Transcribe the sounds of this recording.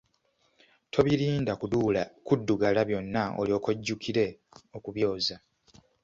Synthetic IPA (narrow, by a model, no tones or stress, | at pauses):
tʰo̞βiɾiːndakuukudːuɡalaβjo̞nːao̰lio̞ːkoɟːukʰiɾe̞okuβjo̞ːza